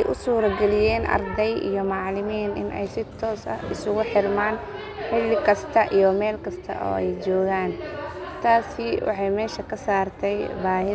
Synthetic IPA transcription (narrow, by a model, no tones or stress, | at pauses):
jʔʊsuːɾɡɛlɪjɛːnʔɐ̰rd̪ɛjʔḭjɔmɑʕlɪmiːnʔɪ̰nʔɛ̰jsɪt̪ʰɔːsɐ̰hɪsʊɣʊħɪrmaːn | ħɪlɪkʰɐst̪ʰɐʔijɔmɛːlkʰɐst̪ʰɐ̰ʔɔ̰ːɛjt͡ʃɔːɣaːnt̪ʰaːsɪwɑ̰ħɑjmɛːʃɐkʰɐsaːrt̪ʰɛjbaːɦɪ